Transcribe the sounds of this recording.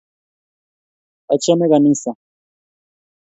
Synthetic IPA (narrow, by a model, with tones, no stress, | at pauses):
a˨t͡ʃɔ˦mɛ˦ɣa˨ni˦sa˨